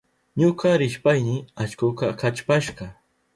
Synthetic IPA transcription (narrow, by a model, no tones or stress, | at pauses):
ɲokɑɾɪʃpajnɪat͡ʃkʊkɑkat͡ʃpaʃɢɑ